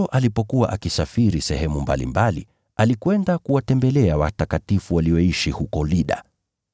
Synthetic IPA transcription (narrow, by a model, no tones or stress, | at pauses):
ɔʔalipɔkuwa̰ʔakisafiɾisɛhɛmumba̰lḭmbalḭ | alikwɛndakuwatɛmbɛlɛawatakatifuwaliɔiʃihukɔliɗa̰